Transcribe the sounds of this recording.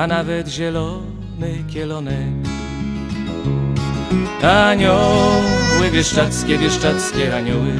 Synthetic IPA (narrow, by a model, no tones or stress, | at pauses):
anavɛt̪ʑɛlɔ | nɨkʲjɛlɔnɛk | aɲɔ | wɛvʲjɛʂt͡ʂat̪skʲɛvʲjɛʂt͡ʂat̪skʲɛaɲɔwɪ